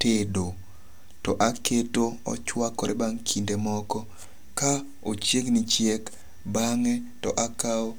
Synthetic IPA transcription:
tedo | tɔʔaketoɔ̰t͡ʃwakɔɾʔɛbaŋkʰindemɔkɔ | ka | ot͡ʃjeknit͡ʃjek | baŋɛtɔʔakao

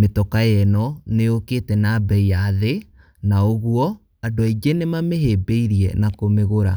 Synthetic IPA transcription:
metɔkajɛnɔneoketɛnabɛijaðe | naoɣuɔ | adoiɡenemameɦeːbeiɾiɛ̰nakomeɣoɾa̰

